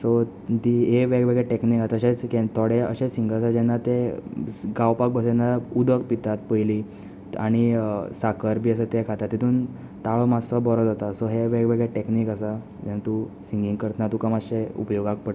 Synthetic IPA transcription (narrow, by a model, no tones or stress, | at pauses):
sɔ | t̪iɦeʋeɡʋəɡɭeʈeknikat̪əɕẽt͡sket̪ʰoɽeə̰ɕesiŋɡəsad͡ʑɛnːat̪e | ɡawpak̚bəsɛnːaud̪ʱəkpit̪at̪̚pəjli | a̰ɽ̃isakəɾbʱiːəsət̪ekʰat̪at̪ːit̪uːn | t̪aɭɔmasɔbɔɾɔd͡zat̪asɔɦeʋeɡʋəɡɭeʈeknikəsa | d͡ʑɛnat̪usiŋɡiŋɡkəɾt̪ənat̪ukamaɕeṵpjoɡak̚pəʈ